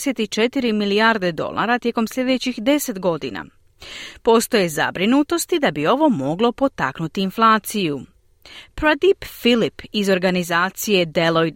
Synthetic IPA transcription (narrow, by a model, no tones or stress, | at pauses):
set̪it͡ʃe̞t̪iɾimiliaɾd̪e̞d̪o̞̰lˠa̰ːɾat̪je̞ko̞msʎʲje̞d̪et͡ɕixd̪e̞se̞t̪ɡo̞d̪ḭna̰ | po̞ːst̪o̞je̞za̰bɾinut̪o̞st̪id̪abio̞ʋo̞mo̞ɡlo̞po̞t̪a̰knut̪iːnflˠaːt̪siju | pɾad̪ipfilipizo̞ɾɡanizaːt̪sije̞d̪eloj